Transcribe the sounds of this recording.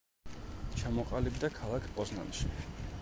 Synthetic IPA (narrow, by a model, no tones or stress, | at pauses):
t͡ʃʰamɔqʼalibd̪akʰalˠakʰpʼɔzna̰nʃi